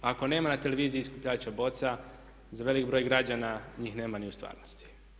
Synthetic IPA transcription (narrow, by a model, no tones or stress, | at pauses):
ako̞ne̞ːmanat̪e̞le̞ʋiːziiːskupʎaːt͡ɕabo̞t̪sa | zaʋe̞likbɾo̞jɡɾad͡ʒanaɲiːxne̞ːmaniust̪ʋa̰ːɾnost̪i̥